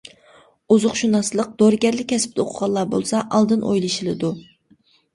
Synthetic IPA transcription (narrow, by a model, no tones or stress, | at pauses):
uzʊqʃunɑslˠəq̚d̪̥oɾɡʲɛɾlɪkʲʰːɛsɪ̥p̚t̪o̰qʰʊʁɑlˠːɑːbo̰lˠsɑʔɑlˠd̪ɨnʔo̰jlˠɨʃilˠɨd̪u